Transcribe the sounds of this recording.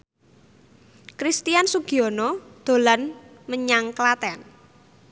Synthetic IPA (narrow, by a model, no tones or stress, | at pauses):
kɾist̪ijansuɡ̥iɔnɔd̪̥o̤lan | məɲaŋklat̪ɛn